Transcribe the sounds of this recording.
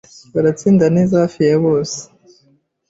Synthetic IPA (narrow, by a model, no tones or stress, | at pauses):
βaɾat͡siːndaneːzahafijeβoːse̥